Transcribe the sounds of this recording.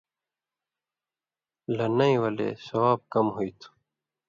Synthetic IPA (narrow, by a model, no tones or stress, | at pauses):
lɐnɐĩwɐlḛːsɐwaːb̚kɐmɦuit̪ʰu̥